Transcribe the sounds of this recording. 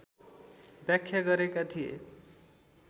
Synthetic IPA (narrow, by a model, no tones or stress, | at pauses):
bjakʰːjaɡʌɾekat̪ʰijḛ